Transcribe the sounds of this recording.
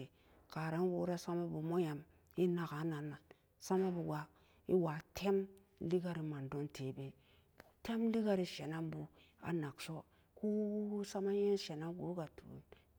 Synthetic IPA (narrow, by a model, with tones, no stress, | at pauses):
i˨ | ka˨ɾa˦nwo˨˦ɾa˦sa˦ma˦bu˨mo˦ja˨m | i˦na˨ka˨˦na˨nːa˨ | sa˦ma˦bu˨ɡa˨ | i˦wa˨tʰe˦m | li˦ɡa˦ɾi˨ma˨ndo˦ntʰe˨be˨ | b̥u˨te˦mli˦ɡa˦ɾi˨ʃe˨na˦mbu˨ | a̰˨na˨kso˦ | ku˦sa˦ma˦je˦nʃe˨na˦mɡo̰˨˦ɡa˨tṵ˨i˨